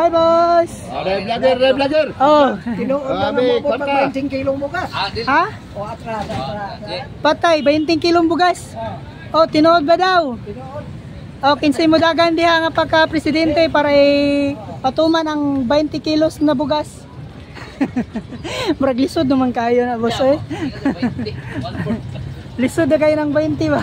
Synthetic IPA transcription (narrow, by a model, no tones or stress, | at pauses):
ajbos | blaɡɛɾablaɡɛɾʔot̪ɪnoːʔod̪aŋpabajnt̪ɪŋkiloŋbʊɡasha | oat̪ɾadaapat̪ajbɐɪnt̪ɪŋkɪloŋbʊɡas | ʔot̪ɪnoːʔod̪̚bad̪awnd̪ | ʔokɪnsimʊd̪aɡand̪ɪhaŋapakapɾɛsɪd̪ɛnt̪ɛpaːɾaɪ | pɐt̪umanɐŋbɛjnt̪ɪkilosnɐbʊɡas | mʊɾɐɡlɪsʊd̪̚nʊmankaaːjonɐboso | lɪsʊd̪nɐkɐjonɐŋbɛjnt̪ɪba